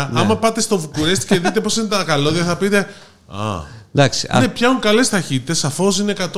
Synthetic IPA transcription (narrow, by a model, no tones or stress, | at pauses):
nɐmɐpɐt̪e̞st̪o̞vukuɾe̞st̪i̥ce̞ðit̪̬e̞posinet̪ɐkɐlo̞ðeθɐpit̪e̞ | ɐ̰d̪ɐksiɐn̰ne̞pçɐuŋkɐle̞st̪ɐçit̪it̪e̞sːɐfo̞sine̞kɐt̪